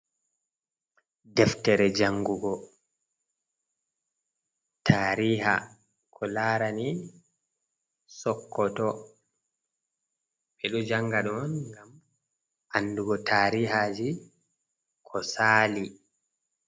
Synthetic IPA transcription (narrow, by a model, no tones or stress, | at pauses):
dɛftɛɾɛd͡ʒaŋɡuɡɔ | tʰaːɾiːɦa̰ | kʰɔlaːɾani | sɔkːɔtɔ | ɓɛɗɔd͡ʒaŋɡaɗɔnŋɡam | ʔanːduɡɔtʰaːɾiɦad͡ʒi | kʰɔsaːli